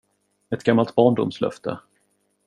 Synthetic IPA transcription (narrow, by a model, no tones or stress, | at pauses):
ɛt̪ɡ̥amːalt̪̚bɑːɳɖʊmslœ̰ft̪ʰə̰